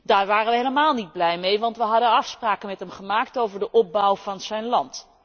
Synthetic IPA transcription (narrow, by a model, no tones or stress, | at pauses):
daːɹʋaːrənʋəɦejləmaːlˠnid̚blɛjmejʋɑntʋəɦɑdənɑfspraːkəmɛtɦɛmχəmaːktowvəɹdəʔɔp̚bɔwv̥ɑnz̥ɛjnlɑnt